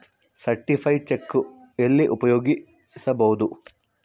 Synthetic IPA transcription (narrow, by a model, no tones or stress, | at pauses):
sɐɾʈifʰɐjt͡ʃekːu | elːiʔupɐjoːɡi | sɐbɐwud̪u